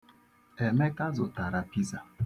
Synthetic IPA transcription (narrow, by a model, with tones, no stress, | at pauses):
e˨me˦ka˦zʊ˨ta˨ɾa˨pi˦za˨